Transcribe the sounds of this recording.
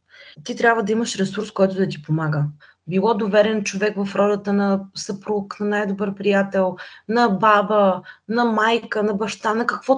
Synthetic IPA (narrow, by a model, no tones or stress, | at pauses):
t̪it̪ɾʲabvəd̪ɐiməʃɾɛsuɾskɔjt̪ʊd̪ɐt̪ipomaɡə | bilˠɔd̪ovɛɾɛnt͡ʃovɛkvɐfɾɔlət̪ənɐsɐpɾuknɐnajd̪obəɾpɾijat̪ɛlˠnɐbabənɐmajkənɐbɐʃt̪anɐkɐkv̥ɔ